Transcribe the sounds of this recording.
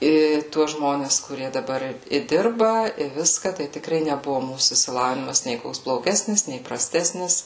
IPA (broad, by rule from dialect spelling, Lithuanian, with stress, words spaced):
ˈiː ˈtuɔs ˈʒmoːnʲɛs kʊˈrʲiɛ dɐˈbɐr ɪ ˈdʲɪrbɐ ɪ ˈʋʲɪskɐ tɐɪ tʲɪkˈrɐɪ nʲɛˈbʊʋʊ ˈmuːsuː ɪʃʲsʲɪˈlˠɑːʋʲɪnʲɪmɐs nʲeː ˈkoːks blˠoːˈɡʲæːsʲnʲɪs nʲeː prɐˈsʲtʲæːsʲnʲɪs